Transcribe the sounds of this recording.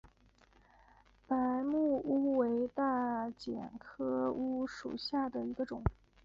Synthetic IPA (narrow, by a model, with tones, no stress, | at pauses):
pa˧˥ɪmu˥˩u˥we˧˥ɪt̪a˥˩t͡ɕjɛ̰˨˩nkʰɤ˥u˥ʂṵ˨˩ɕja˥˩d̪ə˩i˧˥ɡə˧ʈ͡ʂʊ˨˩˦ŋ